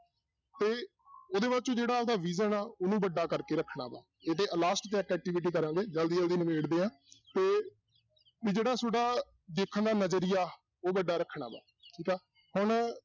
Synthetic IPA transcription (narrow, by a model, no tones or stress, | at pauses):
t̪eː | oːd̪eːbaːt͡ʃõːd͡ʒeːɽaːod̪aːʋiːzənaːʊnũːbəɖːaːkəɾkeːɾəkʰːɳa̰ːba̰ː | et̪eːʔəlaːsʈt̪ẽɛkɛːk̚ʈiʋʈ̬iːkəɾãːɡeːd͡ʒəld̪iːd͡ʒəld̪iːnəmeːɽd̪eːãː | t̪eː | ʋid͡ʒeːɽaːsoːɖaː | d̪eːkʰənd̪aːnəd͡ʒəɾɪjaː | oːbəɖːaːɾəkʰːɳa̰ːba̰ː | ʈʰiːkaː | hʊɳ